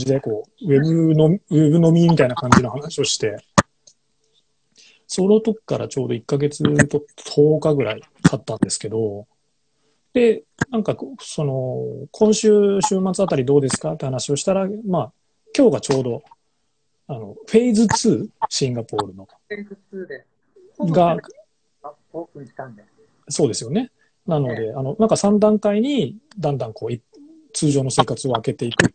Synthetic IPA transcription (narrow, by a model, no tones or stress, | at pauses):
d͡ʑid̪eko̞ːe̞bɯ̟nomebɯ̟no̞mʲimʲit̪ainakãɲ̟d͡ʑino̞hanaɕio̞ɕi̥t̪e̞ | so̞ɾot̪o̞kʲi̥kaɾa̰t͡ɕo̞ːd̪o̞ikːaɡe̞t͡sɨt̪ot̪t̪ʰo̞ːkaɡɯ̟ɾa̰i | kʰat̪ːãnd̪e̞sɨ̥ke̞d̪o̞ | d̪̥e̞ | nãŋkaso̞no̞kʰõ̞ɕɨːɕɨːmat͡sɨat̪aɾʲid̪o̞ːd̪e̞sɨ̥kat̪ːehanaɕio̞ɕi̥t̪aɾamaː | kʲo̞ːɡat͡ɕo̞ːd̪o̞ | ano̞̰ɸe̞id͡zɨt͡sɨːɕĩŋɡapo̞ːɾɯ̟no̞d̪e | ɡa | okɯi̥t̪and̪e | so̞ːd̪e̞sɨjo̞ne̞ | nano̞d̪e̞ano̞nãŋkasãnd̪ãŋkaiɲ̟id̪ãnd̪ãŋko̞ːi | t͡sɨːʑo̞ːno̞se̞ːkat͡sɨo̞ake̞t̪e̞ikɯ̟